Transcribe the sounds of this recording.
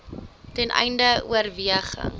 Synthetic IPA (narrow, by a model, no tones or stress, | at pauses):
tɛnʔɛ̰jndəṵərviəχə̰ŋ